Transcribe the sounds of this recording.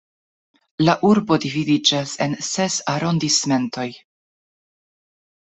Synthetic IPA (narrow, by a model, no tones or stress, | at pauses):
laʔuɾbo̞dividid͡ʒase̞nse̞saɾo̞ndisme̞nto̞j